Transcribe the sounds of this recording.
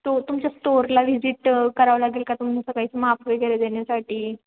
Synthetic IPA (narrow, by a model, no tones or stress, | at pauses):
t̪ot̪umt͡ɕjasʈoɾlaʋid͡ʑiʈkəɾaʋlaɡiːlkat̪umisəkait͡səmapʰʋeɡəɾed̪eɳjasaʈiː